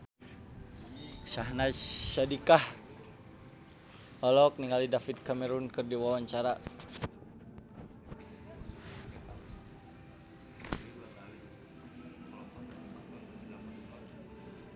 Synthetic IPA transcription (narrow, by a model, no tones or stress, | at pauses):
saɦnaʃadikah | ɔlɔk̚niŋalidafit̪̚kamɛɾunkɨrdiwawaɲt͡ʃaɾa